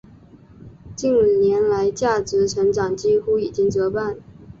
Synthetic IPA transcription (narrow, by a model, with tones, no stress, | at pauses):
t͡ɕi˥˩n˩njɛ˧˥nla˧˥ɪt͡ɕja˥˩ʈ͡ʂɻ̩˧˥ʈ͡ʂʰɤ˧˥ŋʈ͡ʂɑ˨˩ŋt͡ɕi˥xu˥i˨˩t͡ɕi˥ŋt͡sɤ˧˥pa˥˩n